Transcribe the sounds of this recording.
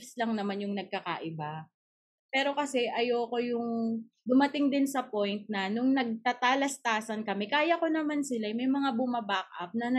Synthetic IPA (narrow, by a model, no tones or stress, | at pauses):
slaŋnɐmanjʊŋnɐɡ̚kaka̰ʔɪba | pɛːɾo̞kɐsɛʔɐjoːko̞jʊŋ | d̪ʊmɐt̪ɪŋd̪ɪnsɐpo̞jnt̪̚nɐnʊŋnɐɡ̚t̪at̪aːlɐst̪aːsɐnkɐmɛkaːjɐko̞nɐmansɪlajmɐjmɐŋabʊmɐbak̚ʔɐ̰p̚nɐnɐ